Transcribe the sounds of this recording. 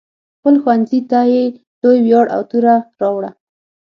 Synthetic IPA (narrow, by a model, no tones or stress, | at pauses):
xpəlxwanzit̪ɑje | l̥ojwjɑɽʔa̰wt̪uɾaɾɑwɽa